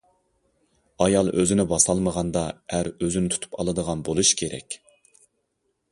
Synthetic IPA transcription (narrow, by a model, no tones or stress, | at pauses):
ɑjɑlˠʔøzɪnɪbɑsɑlˠməʁɑnd̪ɑæɾøzynɪt̪ʰt̪ʰu̥pʰɑ̰lˠɨd̪əʁɑnbolˠuʃkʲʰeɾɛ̰kʲ